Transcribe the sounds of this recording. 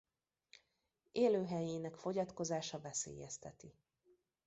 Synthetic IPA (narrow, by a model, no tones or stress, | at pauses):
eːløːɦɛjeːnɛkfo̞ɟɒt̪ko̞zaːʃɒvɛsḛːjɛst̪ɛt̪i